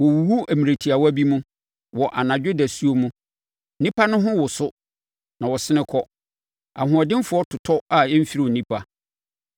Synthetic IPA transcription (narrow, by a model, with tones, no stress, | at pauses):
wɔ˨wu˨wu˦æ˨mĩ˨ɾe˨tʰi˨a˨wa˦bi˦mũ˦ | wɔ˨ʔa˨nã˨d͡ʑᶣɪ˦dæ˨su˦o˦mũ˦ | nĩ˦pʰa˦nʊ̃˦ɦʊ̃˦wʊ˨sʊ˦ | nã˨wɔ˨sɪ˦nɪ̃˦kʰɔ˦ | a̰˨ɦʊ̃˨ɔ˨dɪ̃˦m˦fʊ˨˦ɔ˦tʰʊ˨tʰɔ˦a˨ɛ˦m̩˦fi˦ɾi˦˨nĩ˦pʰa˨